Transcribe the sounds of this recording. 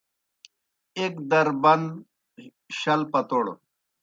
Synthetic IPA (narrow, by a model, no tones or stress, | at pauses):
ekd̪ɐɾbɐnd̪ | ɕɐlpɐt̪oːɽo̰